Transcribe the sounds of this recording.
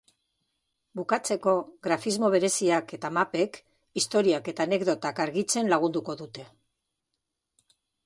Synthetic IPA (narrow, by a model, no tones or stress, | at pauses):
bukat͡se̞ko̞ɣɾafizmo̞β̞e̞ɾe̞siake̞t̪amape̞k | ist̪o̞ɾiake̞t̪aːne̞ɡðo̞t̪akaɾɣit͡se̞nlaɣ̞und̪uko̞ðut̪e̞